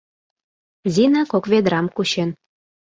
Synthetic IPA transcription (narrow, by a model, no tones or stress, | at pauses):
zʲinɑkokβed̪ɾɑmkuɕen